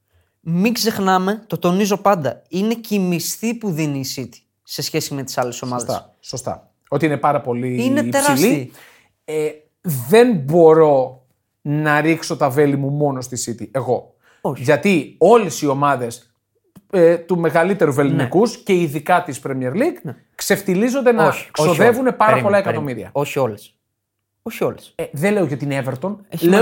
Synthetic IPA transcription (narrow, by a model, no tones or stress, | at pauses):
miɡze̞xnɐme̞t̪o̞t̪o̞nizo̞pɐnd̪ɐine̞cimist̪ipuðiniːsit̪i̥ | se̞sçe̞sime̞t̪i̥sɐleso̞mɐðḛɐ̰ | sost̪ɐ̰ | o̞t̪iinepɐɾɐpo̞liineːeɾsɐislii | e | ðe̞nbo̞ɾo̞ | nɐɾikso̞t̪ɐve̞limumo̞no̞st̪isit̪ie̞ɣo̞ | ʝɐt̪io̞lesio̞mɐðe̞s | et̪ume̞ɣɐlit̪e̞ɾuve̞linikusce̞iðikɐt̪ispɾemieɾliɡ | kse̞ft̪ilizo̞nd̪enɐksoðe̞vune̞pɐɾɾɐpo̞lɐekɐt̪o̞miɾiɐ̰oçioles | oçioleseðele̞oʝɐot̪ineveɾt̪o̞n